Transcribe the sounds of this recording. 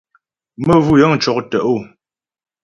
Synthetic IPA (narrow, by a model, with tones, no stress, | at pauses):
mə˦vu˦jə˦ŋ̩˨t͡ʃɔ˨k̚tə˨ʔo˦˨